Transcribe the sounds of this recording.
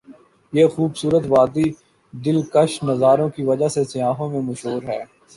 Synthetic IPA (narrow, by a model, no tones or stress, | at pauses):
jeːxuːbsuːɾət̪ʋaːd̪i | d̪ɪlkɐʃnɐzaːɾõkiʋɐd͡ʒasesɪjaːɦõmẽmɐʃɦoːɾɦɛː